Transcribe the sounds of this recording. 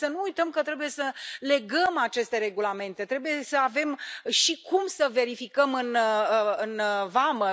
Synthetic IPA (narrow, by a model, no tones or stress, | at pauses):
sənuujt̪əmkət̪ɾe̞buje̞səle̞ɡəmat͡ʃe̞st̪e̞ɾe̞ɡulame̞nt̪e̞t̪ɾe̞buje̞səave̞mʃikumsəve̞ɾifikəmɨnɨnvamə